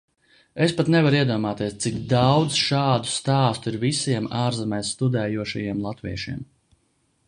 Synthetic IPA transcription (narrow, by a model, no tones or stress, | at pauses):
espat̪nɛvaɾiɛd̪uɔmaːt̪iɛst̪sikd̪awd̪zʃaːd̪u̥st̪aːst̪uiɾvisiɛmaːɾzɛmɛjsːt̪ud̪ɛːjuɔʃa̰jiɛmlˠat̪vḭɛʃḭɛm